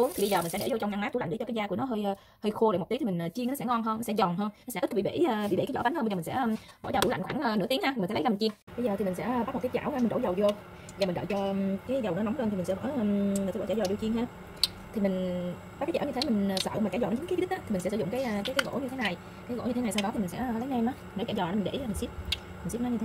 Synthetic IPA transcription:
u˨˦əŋt̪ʰi˨˩ɓə˧zə˨˩mi˨˩ŋ̟sɛ˧˥ɗe˧˦zo˧t͡ɕɔ˧ŋ͡mnaː˧ŋmaː˨˦˥t̪u˧˥l̰a˧˨ŋɗt͡ɕɔ˧kːjzaː˧ku˧˩ənɔ˨˦ɦəː˧j | həː˧jxo˧ɗ̰m˨˩t̪i˨˦˨m˨˩ŋ̟ʔəː˨˩t͡ɕi˧ŋ˨˦sɛ˧˥ŋɔ˧˩nɦəː˧nɔ˨˦sɛ̰˧˥zɔ˨˩nɦəː˧nnɔ˨˦sɛ˧˥˦kːɓḭ˧˨ɓḛː˧˩˨ɓḭ˧˨ɓḛ˧˩aː˨˦zɔ̰˧˦ɓa˨˦nhəː˧ə˧zŋsɛ̰˧˥˧ɓɔ̰˧˩t͡ɕɔː˧˩u˧˩la̰˧˨ŋ̟xwaː˧˩ŋʔəː˨˩nɨ̰˧˥t̪i˨˦ŋhaː˧i̟˨˩˨sɛ˧˥lja˧˨˩ŋt͡ɕi˧əŋɓə˧jzəː˨t̪ʰi˨˩ï˨˩ŋsɛ̰˧˥ɓa˦˥m̚˨˩kːza̰ː˧˩waː˧mi˨˩ŋɗo̰˧˥˦zə˨˩wzo˧ | a˨˩m̟˨˩ɗə̰˧˨˩t͡ɕɔ˧kaː˨˦jzə˨˩wnɔ˨˦na˨˦ŋ͡məː˧nt̪ʰi˨˩˨ŋsɛ˧˥və̰ː˧˥˧i˨˩st͡ɕːaː˧˩zɔ˨˩ɗi˧t͡ɕi˧ənhaː˧ | t̪ʰi˨˩mi˨˩ŋ̟ | a˦kaː˨jt͡ɕa̰ː˧˩wɲɨ˧t̪e˨˦mï˨˩ŋ̟ː˨˩sə̰˧˨˧m̟˨˩t͡ɕːa˧˩zɔ̰ː˧˨˩nː˨˩i˨˦ki˦˥ɗi˦˥ʔaː˨˦t̪ʰi˨˩m̟˨˩ɛ̰˧˥sɨ˧˩z̰ʊ˧˨ŋ͡mkaː˨˦jkaː˦kaː˨˦ɣo̰˧˥ɲɨ˧t̪ʰe˨˦na˨˩j | kaː˨˦jɣo̰˧˥ɲɨ˧e˦n˨˩sa˧wɗɔ˨˦t̪i˨mi˨˩ŋsɛ̰˧˥˨lə˨˦jnɛ˧mʔɔ˨˦˨n˨˧˦t͡ɕaː˧˩zɔ˨˩˨mi˨˩nɗḛ˧˩˧mi˨˩ŋsi˦˥p̚ | mi˨˩ŋsi˦˥pnɔ˨˦ɲɨ˧e˦

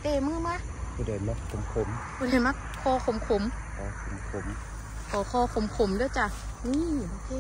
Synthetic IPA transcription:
t̪eː˨˧˩mɯː˧˥˨maː˧˥˨kʰuː˧da˧˩jma˧˩kso˨˩˦mkʰo˧˦mkʰuː˧˩da˧˩jma˧kʰːɔː˧kʰo˨˧˦mkʰo˧˦mkɔː˧˩kʰo˨˩˦mkʰo˧˩m | kʰɔː˨˩kʰɔː˧˩kʰo˧˦mkʰo˧˦mdɯː˧˨t͡ɕa˧ | niː˧˨ma˧˩˨kʰɯː˧˨

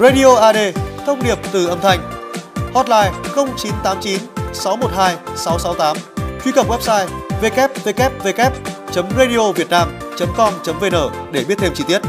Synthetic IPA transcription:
ɣa˧ɗi˧ʔo˧ʔaː˧ɗe˧t̪ʰə˧wŋ͡mɗi˨˩əp̚t̪ɨ˨˩ʔə˧˩mt̪ʰa˧˩jŋ̟hɔ˦˥t̚laː˧˩jxə˧wŋ͡mt͡ɕi˨˦nt̪aː˨˦mt͡ɕi˨˦nsa˨˦wmo˨˩t̚haː˧jsa˨˦wsa˨˦wt̪aː˨˦mt͡ɕwi˧kə˨˩p̚wɛ˦˥p̚saː˧jve˧kɛ˦˥p̚ve˧kɛ˦˥p̚ve˧kɛ˦˥p̚t͡ɕə˨˦mɣe˧ɗi˧ʔo˧vi˨˩ət̚naː˧m | t͡ɕə˨˦mkɔ˧nt͡ɕə˨˦mve˧nəː˧˩ɗe˧˩ɓi˦˥ət̪̚ʰe˧mt͡ɕi˧t̪i˦˥ət̚

